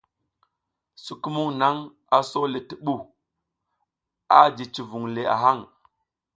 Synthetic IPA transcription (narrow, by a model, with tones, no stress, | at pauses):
su˨ku˦mu˦ŋna˦ŋ | a˦so˦le˨ti˨ɓu˦˨ | a˦d͡ʒi˨t͡ʃi˨vu˨ŋle˨a̰˨ɦa˦˨ŋ